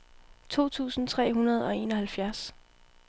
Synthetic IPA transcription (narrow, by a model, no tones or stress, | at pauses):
t͡sʰo̝̰ːt͡sʰṵːsn̩t͡sʰʁɛ̰ːɦunɐð̞̩ˠɒ̽e̝̰ːnɒ̽hælfjæɐs